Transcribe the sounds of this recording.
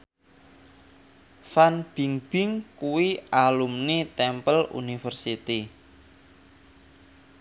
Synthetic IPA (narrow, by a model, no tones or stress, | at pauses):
fanb̥i̤ŋb̥ɪŋkuwialumnit̪ɛmpəlṵnifərsit̪i